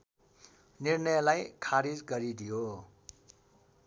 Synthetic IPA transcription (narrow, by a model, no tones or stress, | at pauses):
nirnʌjlajkʰaɾid͡zɡʌɾid̪ʱijo